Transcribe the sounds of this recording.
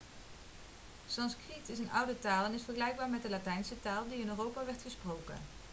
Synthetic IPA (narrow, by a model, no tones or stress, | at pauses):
sɑnskritɪsənʌwdətaːlˠɛnɪsfəɹχəlɛjɡ̚baːɹmɛt̚dəlatɛjnsətaːlˠdiɪnøːrowpaːʋɛɹtχəsprowkə̰n